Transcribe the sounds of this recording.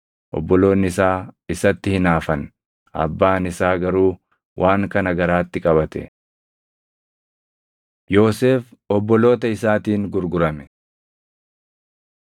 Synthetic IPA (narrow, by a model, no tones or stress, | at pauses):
ʔɔ̰bːɔlo̞ːnːɪɪsaːɪsɐt̪ːɪhɪnaːfɐn | ɐ̰bːaːnɪsaːɡɐɾuː | wʔaːŋkɐnɐɡɐɾaːt̪ːɪkʼɐβɐt̪ɛ̰ | jo̞ːseːfɔbːɔlo̞ːt̪ɐɪsaːt̪iːŋɡʊɾɡʊɾɐmɛ̥